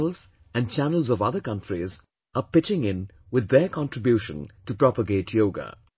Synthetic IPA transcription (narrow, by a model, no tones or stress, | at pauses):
lz̥ | æ̃nɖ̚t͡ʃænəl̩zɔʋʌðəkʌ̃nʈɹiz | əpɪt͡ʃɪ̃ŋɪ̃n | wɪd̪ːəkɑ̃nʈɹɪbjuːʃə̰̃ntupɾɔpəɡeːʈʰjoːɡa̰